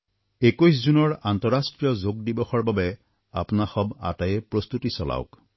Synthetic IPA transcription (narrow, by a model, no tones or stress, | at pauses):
ekujs̬zunɔɹantɔɹastɹijɔzoɡ̚dibɔxɔɹbabɛ | a̰pnaxɔba̰tajɛpɹost̪utisɔla̰ʊk